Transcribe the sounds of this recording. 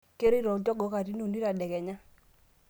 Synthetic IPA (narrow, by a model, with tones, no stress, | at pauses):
ke˦ɾɪ˦ɾɔ˨d͡ʒɔ˦ɡɔ˨˦ka˨ɾi˦no˨ni˦ɾa˨dɛ˨kɛ˨ɲa˦